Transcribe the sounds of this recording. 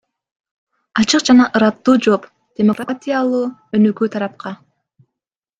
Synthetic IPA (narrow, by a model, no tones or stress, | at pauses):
ɑt͡ʃɯqd͡ʒɑnɑʔɯɾɑt̪ːuːd͡ʒo̞p | d̪̥ʲemo̞krat̪ʲijalˠuːø̞nøkyːt̪ʰɑɾɑp̚qɑ